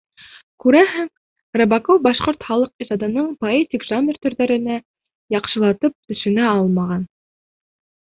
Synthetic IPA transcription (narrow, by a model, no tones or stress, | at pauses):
kʉɾæɦɘŋ | rɤ̆bɑkowbɑʃqoɾt̪χɑlˠɤq̚isɑd̪ɤ̆nɤɴpoetʲikʒamʲɪrt̪ɵ̆ɾðæɾɘ̆næ | jɑqʃɤ̆lˠɑt̪ɤp̚t̪ɵ̆ʃɵ̆næɑlˠmɑʁɑn